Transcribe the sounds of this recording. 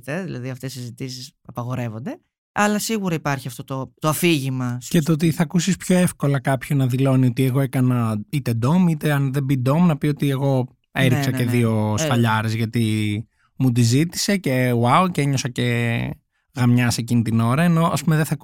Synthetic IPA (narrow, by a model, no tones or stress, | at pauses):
t̪eðilɐ̰ðiɐft̪esizit̪isis | ɐpɐɣo̞ɾe̞vo̞nd̪e | ɐlɐsiɣuɾɐipɐɾçiɐft̪o̞t̪ot̪oɐfiʝimɐcet̪ot̪iθɐkusispço̞e̞fko̞lɐkɐpço̞nɐðilo̞nio̞t̪ieɣo̞ekɐnɐit̪e̞d̪o̞mit̪eɐnðe̞bid̪o̞mnɐpio̞t̪ie̞ɣo̞ | eɾiksɐceðio̞spɐʎɐɾe̞zʝɐt̪i | mud̪izit̪i̥se̞ce̞wauceɲo̞sɐce̞ | ɣɐmɲɐse̞cinit̪ino̞ɾɐeno̞ɐ̰spumeðeθɐk